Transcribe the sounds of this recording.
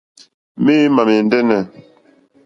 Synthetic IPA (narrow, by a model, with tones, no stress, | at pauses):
mi˦ma˨me˨ndɛ˦nɛ˨